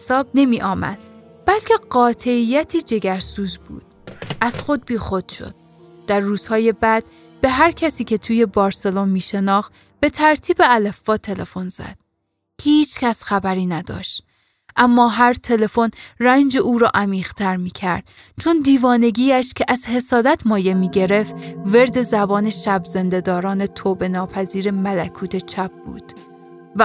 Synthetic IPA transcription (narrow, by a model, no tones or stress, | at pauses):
sɒːb̚ne̞miːʔɒːmæ̰d̪̥̚ | b̥ælcʰe̞ɢɒːt̪ʰe̞ijæt̪ʰiːd͡ʒe̞ɡæɾsuːzbṵːd̪̥̚ʔæz̥xo̞d̪̚biːxo̞d̪̥ʃo̰d̪̥̚ː | æɾːuːz̥hɒːje̞bæd̪̥̚ | b̥e̞ɦæɾcʰæsiːcʰe̞t̪ʰuːje̞bɒːɾse̞lonmiːʃe̞nɒːxt̪ | b̥e̞t̪ʰæɾt̪ʰiːbe̞ælæfːɒːt̪ʰe̞lefo̞nz̥æ̰d̪̥̚ | hiːt͡ʃʰcʰʲæsxæbæɾiːnæd̪ɒ̰ːʃt̪ | ʔæmːɒːɦæɾt̪ʰe̞le̞fo̞nrænd͡ʒeʔuːɾɒ̰ːʔæmiːʁ̥t̪ʰæɾmiːcʰæɾd̪̥̚t͡ʃʰo̞nd̪iːvɒːne̞ɡiːæʃcʰeʔæzhe̞sɒːd̪æt̪ʰmɒːje̞miːɟe̞ɾe̞ft̪ve̞ɾd̪e̞zæbɒːne̞ʃæbze̞nd̪e̞d̪ɒːɾɒːnet̪ʰoːbe̞nɒːpʰæziːɾe̞mælækʰuːt̪ʰe̞t͡ʃʰæb̚b̥ṵːd̪̥ | væ